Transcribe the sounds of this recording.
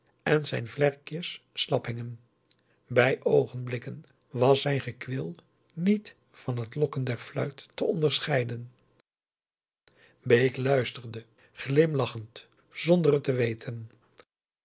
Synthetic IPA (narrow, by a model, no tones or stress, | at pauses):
ʔɛnzɛjnvlɛɹkjəsːlɑpɦɪŋən | bɛjʔowχənblɪkən | ʋɑsɛjnχəkʋɪlˠ | nit | fɑnɦətlɔkəndɛɹflœ̰ɥtːəɔndəɹsχɛjdən | bejklœɥstəɹdə | χlɪmlɑχənt | z̥ɔndərətəʋejtʰən